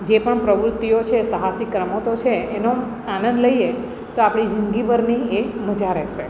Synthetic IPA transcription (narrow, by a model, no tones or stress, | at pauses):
d͡ʒepəɳpɾəʋɾʊt̪ːijot͡ʃʰesəɦasikːɾəmot̪ot͡ʃʰeːno | anə̃nd̪ləie | t̪oapɽ̃id͡ʒəŋɡibəɾnieməd͡ʒaɾɛʃe